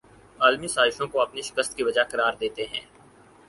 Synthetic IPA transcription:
aːlmisaːzɪʃõkoɐpniʃɪ̥kəst̪̚kiʋɐd͡ʒaqɐɾaːɾd̪eːt̪eɦɛ̃ː

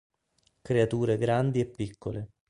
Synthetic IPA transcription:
kɾeat̪uːɾeɡɾand̪iɛpːikːole

